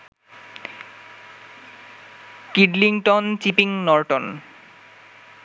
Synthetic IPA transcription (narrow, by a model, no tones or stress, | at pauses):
kiɖliŋʈont͡ɕipiŋnɔɾʈon